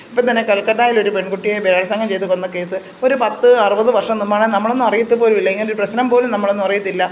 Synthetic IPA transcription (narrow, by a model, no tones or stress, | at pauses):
ipːoːt̪ɐnːekɐlkɐʈːaːjiloɾupe̞ɳkuʈːijebeɾaːɭɐsaːŋɡɐmt͡ɕejt̪̬ːukonːɐke̞ːsɨ | o̞ɾupɐt̪ːɨɐrɨbɐðɨʋɐrʂɐmnumbaːɳenɐmːɐɭo̞nːumɐrijit̪ːupo̞ːlumilːɐeŋːɐnloɾuprɐɕnɐmpo̞ːlumnɐmːɐɭo̞nːumɐrɐjit̪ːilːɐ